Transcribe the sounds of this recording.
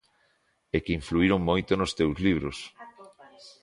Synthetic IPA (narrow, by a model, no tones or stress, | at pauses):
ekɪiɱfluiɾoŋmojt̪onost̪ewzliβ̞ɾos